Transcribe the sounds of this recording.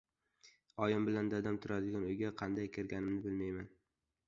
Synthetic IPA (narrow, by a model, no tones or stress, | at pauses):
ɒjɪmbɪland̪ad̪amt̪ʰʊɾad̪ɪɡʲanʊjɡʲaqʰɑnd̪ajkʲʰɪɾɡʲanɪmnɪbɪlmajman